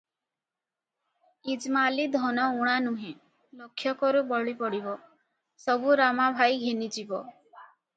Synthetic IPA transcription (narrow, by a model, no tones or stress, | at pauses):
id͡ʒmalid̪ʱɔnɔuɽ̃anũɦẽ | lɔkʰːjɔkɔɾubɔɭipɔɽibɔ | sɔbuɾamabʱajɡʱenid͡ʒibɔ